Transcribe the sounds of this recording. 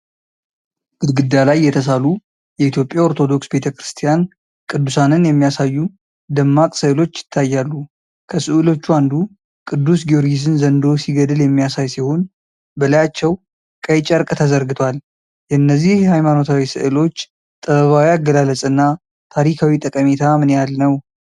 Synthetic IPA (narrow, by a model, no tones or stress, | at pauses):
b̥ɨd̪ɡɨd̪alajːɛt̪ʰəsalu | jɛit̪ʰjo̞pʼːjaoɾt̪ʰo̞d̪o̞ksbe̞t̪ʰəkɾɨst̪ʰijan | kʼɨd̪ːusanɨnjɛmːijasajːu | d̪əmːakʼsɨʔɨlo̞t͡ʃːjɪ̥t̪ʰːajːalːu | kʰəsɨʔɨlo̞t͡ʃːuand̪u | kʼɨd̪ːusɡioɾɡizɨnzənd̪o̞siɡəd̪ɨljɛmːijasajsiho̞n | bəlajat͡ʃːɛw | kʼəjt͡ʃʼəɾkʼt̪ʰəzəɾɡɨt̪ʰwal | jɛnːəzːihjɛhajmano̞t̪ʰawisɨ̰ʔɨlo̞t͡ʃː | t̪ʼəβəβawiaɡːəlaləsʼɨnːa | t̪ʰaɾikʰawit̪ʼəkʼəmet̪ʰamɨnejalnəw